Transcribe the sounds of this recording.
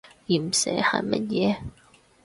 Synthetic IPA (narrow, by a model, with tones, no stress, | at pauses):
jiː˨˩m̩˨˩sɛ̰ː˨˥hɐ̰˨˩mɐ̰˦˥t̚jɛː˨˦